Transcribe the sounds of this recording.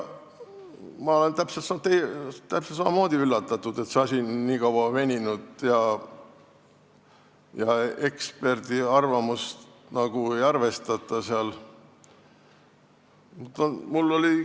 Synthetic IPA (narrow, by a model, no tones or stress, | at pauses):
mɑo̞le̞nt̪æpset̪sɑt̪ejt̪æpset̪sɑmɑmo̞ːd̪̥iylːɑt̪ːˑɑt̪ːˑud̪̥e̞t̪seɑsʲiniːkɑwɑme̞nʲinud̪̥jɑ | jɑe̞kspe̞rd̪̥iɑrvɑmust̪ | nɑɡ̥ue̞jɑrve̞st̪ɑt̪ˑːɑseɑl | mut̪ːonmulːo̞li